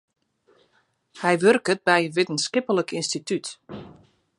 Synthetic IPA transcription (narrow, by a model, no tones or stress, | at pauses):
hɛjʋørkət̚bɛjəʋɪtənskɪpələkinstityt